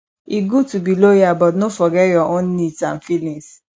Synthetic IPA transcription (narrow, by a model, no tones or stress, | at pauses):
iɡutubilojabɔtnofɔɡɛjɔõnĩtãnfilĩs